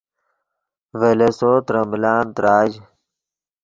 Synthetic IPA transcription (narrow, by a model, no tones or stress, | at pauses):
ʋelesoːt̪ɾəmblaːnt̪ɾaːd͡ʑ